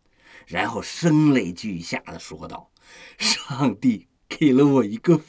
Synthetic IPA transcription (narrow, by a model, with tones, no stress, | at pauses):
ɻa˧˥nxo˥˩ʊʂə˥ŋle˧˩ɪt͡ɕy˥˧˩ɕja̰˥˩d̪ə˩ʂwɔ˥t̪ɑ̰˥˩ʊ | ʂɑ˥˧ŋt̪i˥˩ | ke˨˩ɪlə˦wɔ˨˩i˧˥ɡə˧f